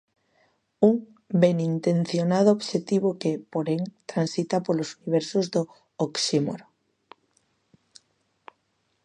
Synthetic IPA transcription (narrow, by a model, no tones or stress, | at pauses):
uŋ | benint̪ẽn̟θjonað̞ooβʃet̪iβokepoɾeŋt̪ɾansit̪apolosuniβ̞ɛɾsozd̪o | oksimo̰ɾo